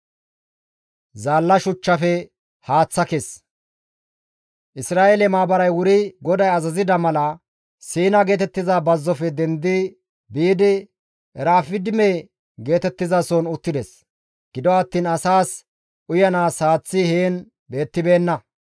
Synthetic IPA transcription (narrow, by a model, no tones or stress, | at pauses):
zaːlːɐʃʊt͡ʃːɐfɛ | haːt͡sːɐkes | ʔɪsɾaːʔelɛmaːbɐɾɐjwʊɾɪɡɔd̪ɐjɐzɐzɪd̪ɐmɐlɐ | siːnɐɡe̞ːt̪ɛt̪ːɪzabɐzːɔfɛd̪ɛnd̪ɪ | biːd̪ɪ | ɛɾaːfɪd̪ɪme | ɡe̞ːt̪ɛt̪ːɪzasɔnʊt̪ːɪd̪ɛs | ɡ̥ɪd̪ɔɐt̪ːiːnɐsaːs | ʔʊjɐnaːshaːt͡sːɪheːn | be̞ːt̪ːɪbe̞ːnːɐ